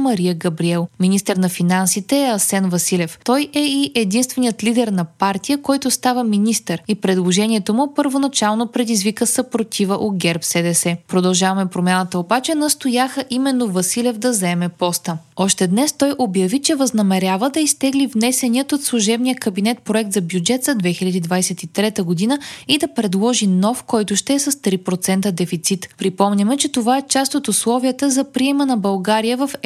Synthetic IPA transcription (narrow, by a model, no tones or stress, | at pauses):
mɐɾijəɡɐbɾiɛlˠminist̪ɛɾnɐfinansit̪ɛːɐsɛnvɐsilʲɛft̪ɔjɛiʔɛd̪inst̪vɛnijət̪lid̪ɛɾnɐpaɾt̪ijəkɔjt̪ʊst̪avəminist̪əɾipɾɛd̪lˠoʒɛnʲiɛt̪omʊpəɾvonɐt͡ʃalˠnopɾɛd̪izvikəsəpɾot̪ʰivəʔoɡʲɛɾpsɛd̪ɛsɛpɾod̪ɐlˠʒavɐmɛpɾomʲjanət̪əobat͡ʃɛnɐst̪ojaxəʔimɛnːovɐsilʲɛvd̪ɐzɛmɛpɔst̪əɔʃt̪ɛd̪nɛst̪ɔjʔobjɐvit͡ʃɛvɐznɐmɛɾʲjavəd̪ɐist̪ɛɡlivnɛsɛniət̪ot̪slˠʊʒɛbnijəkɐbinɛt̪̚pɾoɛk̚t̪zɐbʲjud͡ʒɛt̪zɐd̪vɛxilʲɐd̪id̪vajsɛt̪it̪ɾɛt̪əɡod̪inəid̪ɐpɾɛd̪lˠɔʒinɔfkɔjt̪ʊʃt̪ɛːsɐst̪ɾipɾot̪sɛnt̪əd̪ɛfit̪sit̪pɾipɔmnʲɐmɛt͡ʃɛt̪ovaɛt͡ʃast̪ot̪ʊslˠɔviət̪əzɐpɾiɛmənɐbɐlˠɡaɾijəvɐf